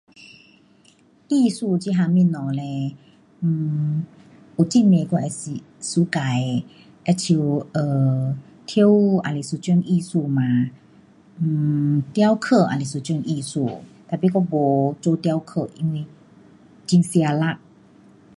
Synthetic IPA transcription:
ʔi˧˨su˧˨t͡ɕi˧˦ɦa˧mĩ˧˨nɔ˧˨lɛ˧˩ | ʔo˨t͡ɕi˧˨nme˧kɔ˧ʔɛ˧˨si˧˨ | su˧˦ka˨j | ʔɛ˧˨t͡ɕʰi˧wʔə˨ | t̪ʰi˧˦ə˦wʔa̰˨le˨su˧˨t͡ɕŋʔi˧˨su˧˨mãː˧˦˧ | t̪ja˧˦wkʰə˧˨ʔa̰˨le˨su˧˨t͡ɕŋʔi˧˨su˧˨t̪a˧˨pi˧˨kɔ˧˨bɔ˨t͡ɕo˧t̪a˧wkʰə˧˨ʔi˧ŋwe˧˨ | t͡ɕi˧˦nsi˧a˧la˧˨k̚

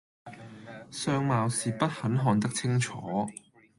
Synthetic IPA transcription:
sœː˧ŋmaː˨wsiː˨pɐ˥t̚hɐ˨˥nɦɔː˨˧nt̪̬ɐ˥k̚t͡sʰɪ˥ŋt͡ʃʰɔː˨˥

